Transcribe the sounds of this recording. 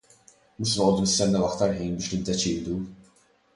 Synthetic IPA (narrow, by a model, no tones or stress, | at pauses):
muʃnɐʔɔːd̪umɪst̪ɛnːɐwɐkt̪ɐɾħiːnbɪːʃnɪd̪ːɛt͡ʃɪːd̪u